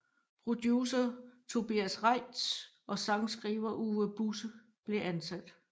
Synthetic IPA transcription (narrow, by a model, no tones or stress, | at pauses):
pʰʁo̝d̥jusɐt͡sʰo̝b̥iæsʁɑɪ̰d̥sʔɒ̽sɑ̈ŋsɡ̥ʁiːʊɐʔuːəb̥usə | b̥le̝ʔænsæd̥